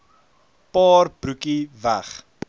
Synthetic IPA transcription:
pɑːrbrukivæχ

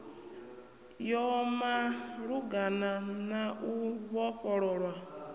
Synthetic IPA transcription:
jɔmaɾuɡananaʔuβɔɸɔɾɔɾwa

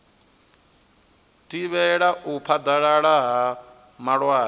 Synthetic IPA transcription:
tʼiβɛɺaʔupʰad̪aɺaɺaɦa | maɺwaː

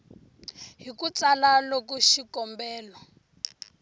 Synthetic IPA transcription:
ɦikut͡salalokuʃikɔmbɛːlɔ

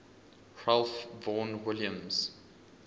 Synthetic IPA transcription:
ɹalfvɔ̃nwɪljə̃mz̥

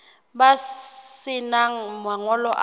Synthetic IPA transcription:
basɪnamwaŋɔlɔʔ

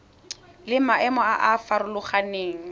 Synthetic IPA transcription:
lɪmaʔɛmɔaʔafaɾʊlʊχaneːŋ̩

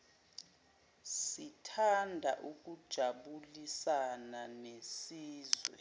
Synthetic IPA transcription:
sitʰandʱa̰ʔuk̬ʼud̥ʒ̥ʱaɓulisananesiːzwɛ̰

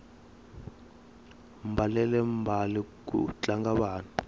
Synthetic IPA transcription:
mbʱalɛlɛmbʱalik̬ṵt͡ɬaŋɡaɓaːni

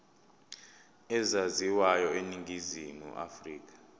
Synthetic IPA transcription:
ɛzaziwajɔeniŋɡizimṵʔa̰friːk̬ḁ

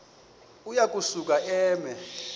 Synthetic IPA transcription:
ujak̬ʼusuk̬ʼaʔɛːmɛ

